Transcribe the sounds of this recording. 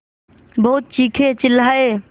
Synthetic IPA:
bəɦut̪̚t͡ʃikʰet͡ʃɪlːae

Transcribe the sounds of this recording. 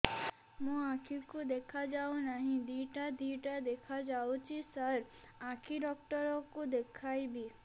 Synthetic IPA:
mũakʰikud̪ekʰad͡ʒawnaɦĩd̪iʈad̪iʈad̪ekʰad͡ʒawt͡ʃʰisəɾ | akʰiɖɔk̚ʈɔɾɔkud̪ekʰajbi

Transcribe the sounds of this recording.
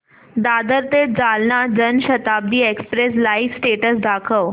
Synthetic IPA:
d̪aːd̪əɾt̪ed͡zalnad͡ʑənɕət̪ab̚d̪iːekspɾes̬laifsʈeʈəsd̪akʰəʋ

